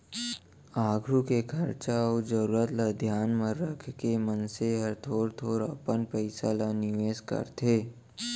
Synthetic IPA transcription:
aːɡʱɾukekʰɐɾt͡ʃaɔod͡ʒəɾuːɾət̪lad̪ʱjaːnmə̃ɾəkʰkemənseɦəɾt̪ʰoːɾt̪ʰoːɾə̰pənpəɪsalanɪʋeːskə̰ɾt̪ʰeː

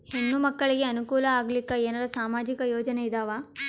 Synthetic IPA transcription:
henːumɐkːɐɭiɡe̞ɐnukuːlɐaːɡlikːɐeːnɐɾɐsaːmaːd͡ʒikɐjoːd͡ʒɐneid̪aːʋaː

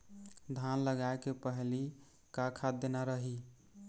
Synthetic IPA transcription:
d̪ʱanləɡaekepəɦli | kakʰad̪enaɾəɦi

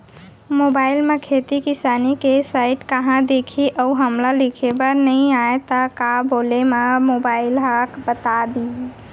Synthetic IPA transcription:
mobailmekʰet̪ikisanikesaɪʈkəɦãd̪ekʰiʔəuɦəmlalikʰebənəĩaet̪əkabolemamobailɦakbət̪ad̪i

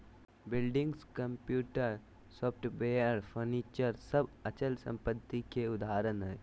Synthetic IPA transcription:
bɪlɖɪ̃ŋɡskə̃mpjuːʈəɾ | sɔːpʰʈbeːjəɾpʰəɾniːt͡ʃəɾsəbət͡ʃəlsə̰̃mpət̪ːikeʊd̪aːɾənɦɛː

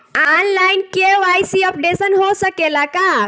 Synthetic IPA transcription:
anlajinkeʋajsiəp̚ɖesənɦosəkelaka

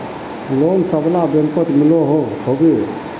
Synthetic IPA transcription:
lonsəblabjəmpət̪miloɦohobe

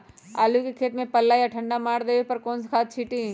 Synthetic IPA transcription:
a̰ːlukikʰeːt̪mẽpɐlːaːjaʈʰə̃ɳɖamaːɽd̪eːʋepɐɾkoːnskʰaːt̪̚t͡ʃʰiʈĩ

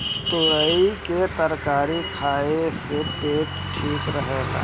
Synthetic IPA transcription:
t̪ʊɾəiket̪əɾkaːɾikʰaːesepeːk | ʈʰiːkɾəɦeːɡa̰ː

